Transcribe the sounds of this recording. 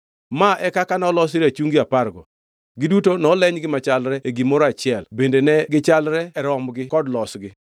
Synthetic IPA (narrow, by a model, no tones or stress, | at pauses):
maʔɛkakanɔlɔs̬iɾat͡ʃuŋɡiaparɡɔ̰ | ɡɪdutonɔlɛɲɡɪmat͡ʃalɾɛeɡimɔɾat͡ʃɪɛlbendenɛɡɪt͡ʃalɾɛɛɾɔmɡɪkɔdlɔsɡɪ